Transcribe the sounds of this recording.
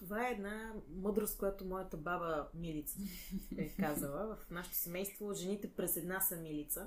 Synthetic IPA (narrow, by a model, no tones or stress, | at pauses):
t̪ovaɛːd̪namɤd̪ɾost̪kojat̪omɔjət̪əbabəmilit̪sə̥bɛkazəlˠəvɐfnaʃɛ̥t̪o̥sɛmɛjst̪voʒɛnit̪ɛpɾɛsɛd̪nasəmilit̪sə